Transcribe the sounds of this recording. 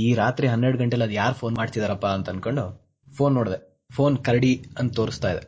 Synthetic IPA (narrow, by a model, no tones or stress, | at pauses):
iːɾaːt̪ɾiɦɐnːeɾɽɡɐɳʈeɛlːɐd̪jaːɾupʰo̞ːnmaːɽit̪id̪aɾɐpːaːnt̪ɐnkoɳɖu | pʰo̞ːnːoːɽd̪e | pʰo̞ːnkɐɾɐɽiɐnt̪ɐt̪oːɾist̪aːjid̪e